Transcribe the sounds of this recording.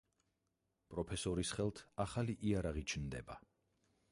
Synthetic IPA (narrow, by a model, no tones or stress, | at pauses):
pʼɾɔpʰɛsɔɾisχɛlˠt̪ʰaχaliʔiaɾaʁit͡ʃʰnd̪ɛ̰ba